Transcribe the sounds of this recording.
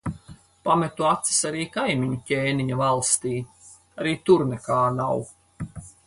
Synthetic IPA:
pamɛt̪uat̪si̥saɾiːkajmʲiɲucʲeːniɲavalˠst̪iː | aɾiːt̪uɾnɛkaːnaw

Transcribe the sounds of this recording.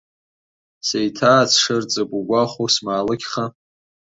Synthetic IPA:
sejtʰaːt͡sʰʂɨrt͡sʼɨɡʷuɡʷaχosmaːlɨkʲχa

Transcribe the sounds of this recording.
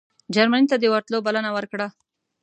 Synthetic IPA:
d͡ʒaɾmanit̪ad̪əwaɾt̪lobalanawəɾkɽa

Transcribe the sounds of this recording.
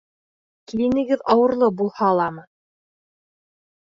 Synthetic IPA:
kilʲinɘ̆ɡɘðɑwɤ̆ɾlˠɤbulˠhɑlˠɑmɤ

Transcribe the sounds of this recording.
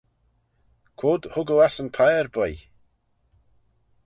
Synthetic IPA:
kʰwoːd̪hʊɡəlˠasənpʰajɹbɔj

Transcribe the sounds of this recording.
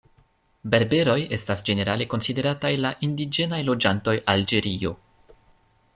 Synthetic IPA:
be̞ɾbe̞ɾo̞je̞stasd͡ʒe̞ne̞ɾale̞ko̞nside̞ɾatajlaʔindid͡ʒe̞najlo̞d͡ʒanto̞jald͡ʒe̞ɾio̞

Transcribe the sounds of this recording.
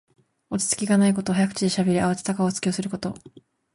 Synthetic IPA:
o̞t͡ɕi̥t͡sɨ̥kʲiɡanaiko̞t̪o̞ɦajakɯ̟̥t͡ɕid̪e̞ɕabʲe̞ɾʲiaβat͡se̥t̪akaot͡sɨ̥kʲo̞ːsɨɾɯ̟ko̞t̪o̞̰

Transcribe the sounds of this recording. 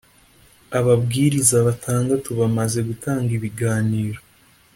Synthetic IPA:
aβabɡiːɾizaβatʰaːndatuβamaze̞ɡutaːŋɡiβiɡaːniːɾo

